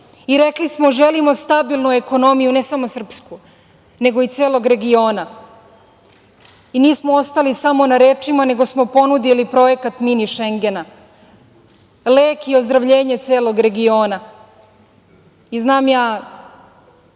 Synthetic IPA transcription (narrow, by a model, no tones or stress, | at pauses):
iɾe̞klismo̞ʒe̞limo̞st̪abilˠnue̞ko̞no̞mijune̞samosr̩psku | ne̞ɡo̞it̪seːlˠo̞ɡɾe̞ɡio̞ːna | iniːsmoo̞st̪alisamo̞naɾe̞ːt͡ʃimane̞ɡo̞smo̞po̞nud̪ilipɾo̞je̞kat̪miniʃe̞ŋɡe̞na | leːkio̞zd̪ɾaʋʎe̞ːɲe̞t̪seːlˠo̞ɡɾe̞ɡio̞ːna | iznaːmjaː